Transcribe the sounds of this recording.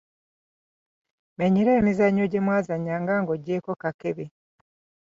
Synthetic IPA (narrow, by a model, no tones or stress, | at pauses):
meɲiɾeːmizaɲoɟemwaːzaɲaːŋɡaːŋɡoɟːeːko̞kakeβe